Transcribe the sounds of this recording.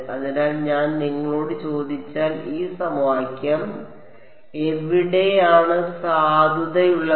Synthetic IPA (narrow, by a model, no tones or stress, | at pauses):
ɐðenaːlɲaːnniŋːɐɭo̞ːɽɨt͡ɕo̞ːd̪ʱit͡ɕːaːliːsɐmʋaːkʲːjɐm | eʋiɽe̞jaːɳɨsaːd̪ʱuðɐjuɭːɐ